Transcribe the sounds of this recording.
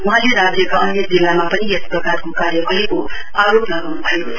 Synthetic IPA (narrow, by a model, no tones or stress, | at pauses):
uɦãleɾabʱɾekaʌnek̚d͡zilːamapʌniesprʌkarkokaɾjʌbaɦiko | aɾoplʌɡawnubʱʌjo